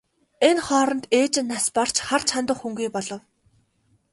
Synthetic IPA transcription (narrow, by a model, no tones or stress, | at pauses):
enχɔːɾɞ̆nt̪eːt͡ɕɪ̆nːaspar̥t͡ɕχar̥t͡ɕʰant̪ə̆χxuŋɡiːpɔɮɞ̆w